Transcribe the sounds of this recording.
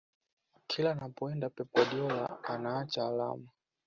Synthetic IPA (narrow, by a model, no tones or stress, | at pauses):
kʰilanapɔɛndapɛpwaɗiɔla̰anaːt͡ʃaːla̰ma